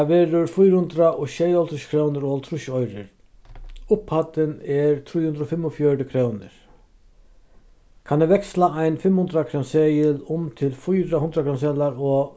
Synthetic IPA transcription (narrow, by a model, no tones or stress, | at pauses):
ʋɛːɾʊɾfʊjɾhʊnt̪ɾaʔɔʃɛjɔlt̪ʰɾʊɕkʰɾownɪɾɔɔlt̪ʰɾʊʃɔjɾɪ̰ɾ | ʊphat̪ɪnɛɾt̪ʰɾujhʊnd̪ɾɔfɪmːɔfjœɾɪkʰɾoːwnɪ̰ɾ̥ | kʰanɛʋɛkslaajnfɪmːhʊnt̪ɾakʰɾansɛːjɪlʊmt̪ʰɪlfʊjɾahʊnd̪ɾakʰɾans̬ɛːlaɾɔ